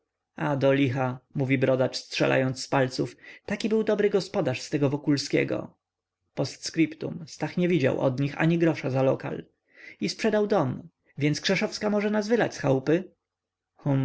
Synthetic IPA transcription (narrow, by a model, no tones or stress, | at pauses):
ad̪ɔlʲixamuvʲibɾɔd̪at͡ʂstʂɛ̰la̰jɔnt̪sspalt̪suft̪akʲibɘwd̪ɔbɾɘɡɔspɔd̪aʂst̪ɛɡɔvɔkulskʲɛ̰ɡɔ̰ | pɔst̪skɾipt̪ṵmst̪axɲɛvʲid͡ʑa̰wʔɔ̰d̪ɲixa̰ɲiɡɾɔʂazalɔka̰l | ispʂɛd̪awd̪ɔm | vʲjɛnt̪skʂɛʂɔfskamɔʐɛnazvɘlat͡ɕʲsxawpɘ | xum